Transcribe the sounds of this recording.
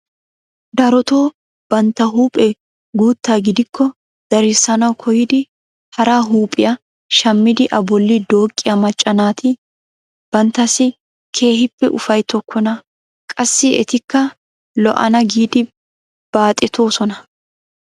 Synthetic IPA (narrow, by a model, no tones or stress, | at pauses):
d̪ɐɾɔt̪o̞ː | b̥ɐnt̪ːɐɦuːpʼɛ | ɡuːt̪ːaːɡɪd̪ɪkʰːɔ | d̪̥ɐɾɪsːɐnɐwkʰɔjɪd̪ɪ | hɐɾaːɦuːpʼɪjɐ | ʃɐmːɪd̪ɪʔɐbɔlːɪd̪o̞ːkʼːɪjɐmɐt͡ʃʼːɐnaːt̪ʰɪ | b̥ɐnt̪ːɐsɪ | kʰe̞ːhɪpːɛʔʊfɐjt̪ʰɔkʰːɔnɐ | kʼɐsːɪɛ̰t̪ɪkːɐ | lɔ̰ʔɐ̰nɐɡiːd̪ɪ | b̥aːt̪ʼːɛt̪o̞ːsɔnɐ